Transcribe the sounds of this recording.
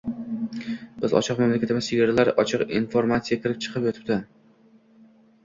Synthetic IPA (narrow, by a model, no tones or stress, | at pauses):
b̥ɪzɒ̰t͡ʃʰɪqmamlakʲat̪ɪmasɪɡʲaɾlaɾʔɒt͡ʃʰɨqinfoɾmat̪sijakʲʰɪɾɪp̚t͡ʃʰɨ̥qʰɨpjot̪ʰɪ̥p̚t̪ɪ